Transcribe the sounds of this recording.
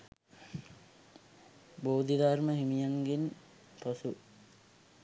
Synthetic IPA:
boːd̪id̪arməɦimijaŋɡin | posu

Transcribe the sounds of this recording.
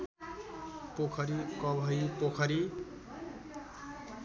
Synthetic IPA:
pokʰʌɾikʌbʱʌjpokʰʌɾi

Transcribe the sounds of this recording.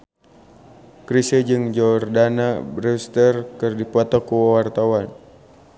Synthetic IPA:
kɾisəd͡ʒɨŋd͡ʒɔrdanabɾɛst̪ərkɨrdipɔt̪ɔkuwawart̪awan

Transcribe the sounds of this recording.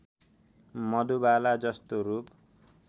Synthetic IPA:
mʌd̪ubalad͡zʌst̪oɾup

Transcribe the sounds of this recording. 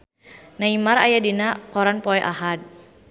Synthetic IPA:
naimaɾajadinakɔɾanpɔɛʔahad̪̚

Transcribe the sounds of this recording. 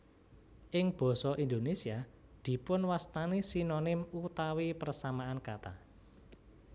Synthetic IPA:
ʔɪŋb̥ɔ̤sɔʔind̪onesiad̪̥i̤pʊnwast̪anisinonɪmut̪awipərsamaankat̪a̰

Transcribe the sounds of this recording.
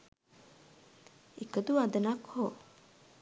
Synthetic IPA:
ekəd̪uad̪ənakho

